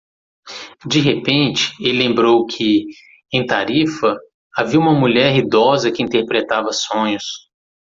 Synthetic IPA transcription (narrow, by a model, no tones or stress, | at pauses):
d͡ʒɪɦepẽnt͡ʃɪ̥elɪlẽmbɾowkʰɪ | ẽj̃t̪aɾifɐ | aviɐũmɐmuʎɛɾɦid̪ɔzɐkɪĩnt̪eɾpɾet̪avɐsõɲʊs